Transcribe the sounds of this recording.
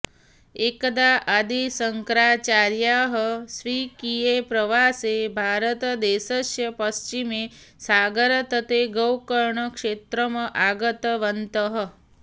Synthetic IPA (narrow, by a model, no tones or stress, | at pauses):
ekd̪aʔəd̪isəŋkɾat͡ʃaɾjaɦəsʋikijepɾəʋasebʱaɾət̪d̪esəʃjəpəst͡ʃime | saɡəɾət̪ət̪eɡəwkəɾɳəkʂet̪ɾəməʔaɡət̪ʋənt̪əɦə